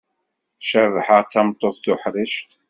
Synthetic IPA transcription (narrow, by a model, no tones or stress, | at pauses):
ʃərˤːħəʁt͡sːɑmt̪ˤːoθθʊħɾɪʃt̪